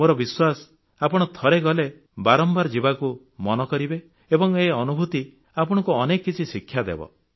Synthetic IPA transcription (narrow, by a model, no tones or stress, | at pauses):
moɾɔbiswasɔ | apɔɽ̃ɔt̪ʰɔɾeɡɔle | baɾɔmbaɾɔd͡ʒibaku | mɔnɔkɔɾibe | ebɔŋeɔnubʱut̪i | apɔɽ̃ɔ̃kuɔnekɔkːit͡ʃʰisikʰːjad̪ḛbɔ̰